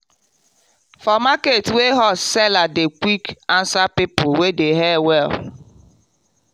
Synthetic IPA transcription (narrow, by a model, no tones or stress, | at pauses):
fɔmaketweɦɔsɛladekʷikansapipʊwedeɦɛwɛl